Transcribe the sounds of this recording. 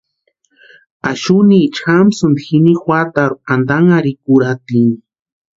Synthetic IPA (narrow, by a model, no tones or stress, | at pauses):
aʃuniːt͡ʃxamsund̪xinixwʷat̪aɾuand̪aŋaɾikuɾat̪ini